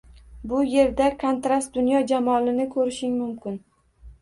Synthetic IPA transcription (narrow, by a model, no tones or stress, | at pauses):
bʊje̞ɾd̪akʰont̪ɾast̪̚d̪ʊnjɒd͡ʒamɒlɪnɪkʰɵɾɪʃɪŋmʊmkʲɪn